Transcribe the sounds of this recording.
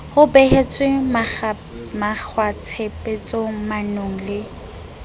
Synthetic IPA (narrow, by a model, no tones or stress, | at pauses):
hʊbeɦet͡sʼwɪm | mak͡xʰwat͡sʰepʼet͡sʼomanoŋ̩lɪ